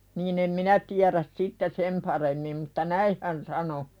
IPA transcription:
niːn em minæ tiæræs sitːe sem pɑremːim mutːɑ næih hæn sɑno

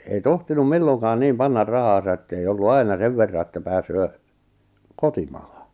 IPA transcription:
ei tohtinum milːoŋkɑːn niːm pɑnːɑr rɑhɑːsɑ etːei olːu ɑinɑ seʋ ʋerːɑ etːæ pæːsøː kotimɑ̥ːhɑ̥

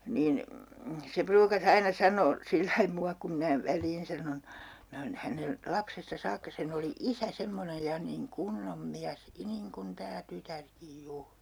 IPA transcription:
niːn se pruːkɑs ɑinɑ sɑnoː silːɑi muɑ kum minæ ʋælˑiːn sɑnon minæ oːn̞ hænen lɑpsestɑ sɑːkːɑ sen oli isæ semːonej jɑ niŋ kunːom miæs niŋkun tæː tytærkij juːr

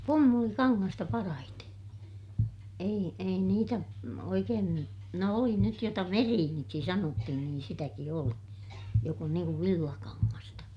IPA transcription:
pumːulikɑŋːɑstɑ pɑrɑhite ei ei niːtæ no oikeːn ny no oli nyt jotɑ ʋeriːniksi sɑnotːihin niːn sitæki oli jok on niːŋ kuʋ ʋilːɑkɑŋːɑstɑ

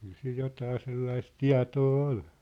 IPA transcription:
kyl sil jotɑː selːɑis tiɑ̝toː ol

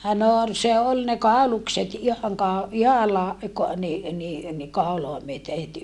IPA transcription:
no ol se ol ne kɑˑulukset ihɑŋ kɑo ihɑlːɑ ni ni ni kɑˑuloɑ myøte het

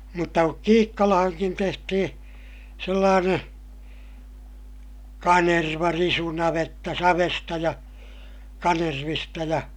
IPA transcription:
mutːɑ kuk kiːkːɑlɑhɑŋkin tehtihĩː selːɑːneː kɑnerʋɑrisunɑʋetːɑ sɑʋestɑ jɑ kɑnerʋistɑ jɑ

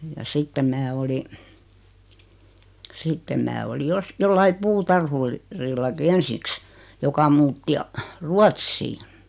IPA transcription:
jɑ sitːem mæː oli sitːem mæː oli jos jolːɑi puːtɑrhur rilːɑki ensiˑks jokɑ muːtːi ɑ ruɑtsːiːn̆

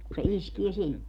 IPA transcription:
ku se iskie sinːe

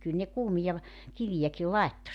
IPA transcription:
kyl ne kuːmijɑ ʋ kiʋijæki lɑetːo

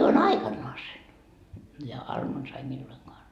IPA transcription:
jo on ɑikɑnːoɑsen jɑ ɑrmonsɑ ei milːoiŋkoɑn

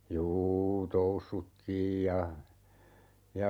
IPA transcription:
juː tousːutːiːj jɑ jɑ

